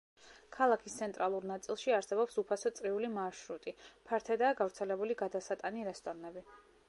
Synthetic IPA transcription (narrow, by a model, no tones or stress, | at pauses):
kʰalˠakʰist̪sʰɛnt̪ʼɾalˠuɾnat̪sʼilˠʃiaɾsɛbɔpsupʰasɔt̪sʼɾiulimaʃɾut̪ʼipʰaɾt̪ʰɛd̪aːɡavɾt̪sʰɛlɛbuliɡad̪asat̪ʼaniɾɛst̪ʼɔɾnɛbi